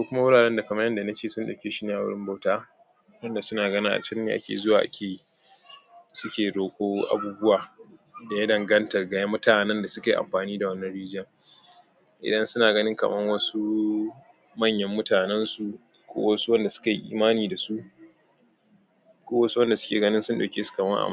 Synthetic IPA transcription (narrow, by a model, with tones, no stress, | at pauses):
koː˦kʷʊ˦ma˦wʊ˦ɽaː˨ɽɛ˦nda˨kɐ˨mɐ˦jɐ˦nda˨na˦t͡ʃeː˦˨sʊ˦nɗɐ̰˨kʲeː˨ʃɪ˦n˦a˦wʊ˦ɽɪ˦mba˨wtaː˦ | wɐ˦nda˨sʊ˦naː˨ɡɐ˦nɪ˦ŋʔa̰˨t͡ʃɐ˦nːeː˨ʔa̰˦kʲḛ˨zʊ˦waː˨ʔa̰˦kʲeː˨ji˦ | sʊ˦kʲeː˨ɽoː˨kʷoː˦ʔa̰˨buː˦bʊ˦waː˨da˨ja˦dɐ˨ŋɡɐ˦ntɐ˨rɡɐ˨˦ja˦mːʊ˦taː˨nɛ˦nda˨sʊ˦kʲeː˨ʔa̰˨ɸaː˨niː˦da˨wɐ˦nːɐ˦nɽiː˦d͡ʒɐ˦ŋ | ʔɪ̰˨dɐ˦nsʊ˦naː˨ɡɐ˦nɪ˦ŋkɐ̰˨mɐ˦ŋwɐ˦su˦ | mɐ˦˨ɲjɐ˦mːʊ˦taː˨nɛ˦nsu˨ | kʷo̰ː˦wɐ˦su˦wɐ˦nda˨sʊ̥˦ka˨ji˦ʔḭː˦maː˦niː˨da˨su˦ʔ | kʷoː˦wɐ˦su˦wɐ˦nda˨sʊ̥˦kʲḛː˨ɡɐ˦nɪ˦sʊ˦nɗa̰˨kʲeː˦su̥˨kɐ˨mɐ˦ŋʔa̰˨m˦